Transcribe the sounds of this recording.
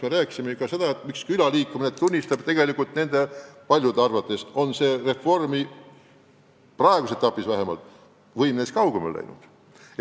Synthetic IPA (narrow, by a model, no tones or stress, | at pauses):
smeɾæːkːˑi̥simekɑse̞d̪̥ɑet̪mikskylɑliːkːˑuminet̪unʲːist̪ɑb̥t̪e̞ɡe̞likult̪ne̞nd̪̥epɑlʲjud̪eɑrvɑt̪ːˑe̞so̞nse̞ːre̞fo̞rmi | prɑe̞ɡ̥uset̪ːˑɑpːˑisvæɦe̞mɑ̰lt̪ˑ | vɤjmneskɑwɡ̥emḛlʔæ̰jnṵd̪̥